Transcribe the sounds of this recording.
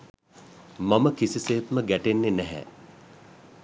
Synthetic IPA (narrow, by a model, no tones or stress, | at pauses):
maməkisiseːt̪məɡæʈenːenæɦɛ̰